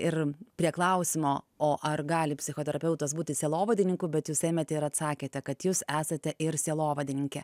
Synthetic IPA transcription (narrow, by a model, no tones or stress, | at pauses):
ɪrpʲɾʲiɛklˠɐʊsʲɪmoː | oːʔɐrɡɑːlʲɪpʲsʲɪxoːt̪ʲɛɾɐpʲɛʊt̪ɐsbuːt̪ʲɪsʲeːlˠoːʋɐd̪ʲɪnʲɪŋkʊbʲɛt̪juːseːmʲɛt̪ʲɛɪɾɐt̪sɑːkʲeːt̪ʲɛkɐt̪juːsæːsɐt̪ʲɛʔɪɾsʲeːlˠoːʋɐd̪ʲɪnʲɪŋʲkʲɛ